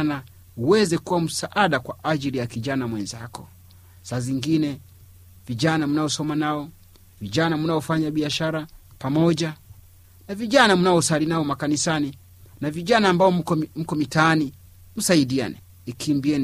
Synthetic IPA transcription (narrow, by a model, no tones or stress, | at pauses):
na | uwɛzɛkuwam̩saʔaɗakwaʔaʄilijakiʄanamwɛnzakɔ | saziŋɡinɛ | viʄanamunaɔsɔmanaɔ | viʄanamunaɔfaɲaɓiaʃaɾapamɔʄa | naviʄanamunaɔsalinaɔmakanisani | naviʄanaːmbaɔm̩kɔmitaːni | m̩saiɗia̰nɛ | ikʰimbiɛn